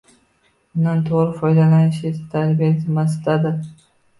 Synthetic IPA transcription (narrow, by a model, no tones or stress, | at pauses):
ʊnant̪ʰoʁɾɪfɒjd̪alanɪʃɪt̪ʰaɾbijat̪ʰɪmasɪd̪ad̪ɪ